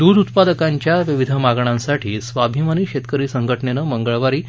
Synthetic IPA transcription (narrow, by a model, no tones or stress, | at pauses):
d̪ud̪ut̪̚pad̪əkaɲt͡ɕjaʋiʋid̪ʱəmaɡɳãnsaʈʰiːsʋabʱimaniːɕet̪kəɾiːsəŋɡʱəʈɳenəməŋɡəɭʋaɾiː